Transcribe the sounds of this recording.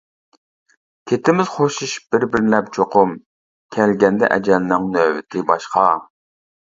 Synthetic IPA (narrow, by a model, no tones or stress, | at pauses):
kʲʰet̪ʰɪmɪz̥χoʃuʃb̥ɪɾbɪɾlɛp̚t͡ʃʰoqʰʊm | kʲʰɛlɡʲɛnd̪ɛ̰ʔɛ̰d͡ʒɛlnɪŋnøːwɪt̪ʰɪbɑʃqɑ